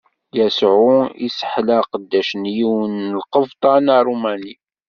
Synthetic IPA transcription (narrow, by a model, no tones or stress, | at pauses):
jæsʕʊḭsə̥ħlæqəd̪ːæʃnjiwənəlqəvt̪ˤɑnɾˤumæni